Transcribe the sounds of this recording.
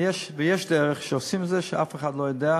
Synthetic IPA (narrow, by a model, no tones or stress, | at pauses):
jɛʃvijɛʃdɛɾəχʃosɪmzɪʃa̰fəχadlˠoɪdɛ